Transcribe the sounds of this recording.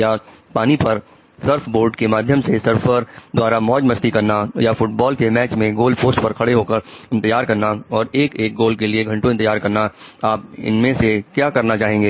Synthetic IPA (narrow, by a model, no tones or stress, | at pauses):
japaːnipɐɾ | səɾpʰboːɾɖkemaːd̪ʱjəmsesɐɾfəɾd̪waːɾamɔːd͡ʒmɐsʈikɐɾnajafʊʈbɔːlkemɛːt͡ʃmẽɡoːlpoːsʈpɐɾkʰɐɽeɦoːkɐɾɪ̃nt̪əjaːɾkɐɾnaɔːɾeːkeːk̚ɡoːlkelieɡʱɐ̃ɳʈõɪ̃nt̪əjaːɾkɐɾnaaːp̚ɪ̰nmẽsekjaːkɐɾnat͡ʃaːɦẽːŋɡeː